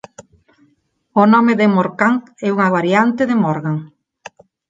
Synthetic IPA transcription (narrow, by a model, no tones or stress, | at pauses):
onɔmeðemoɾkaŋ | ɛuŋaβaɾjant̪eðemoɾɣaŋ